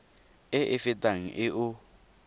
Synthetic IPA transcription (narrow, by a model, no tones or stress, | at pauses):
ɪʔɪfɪtʼaŋ̩ʔɪʔʊ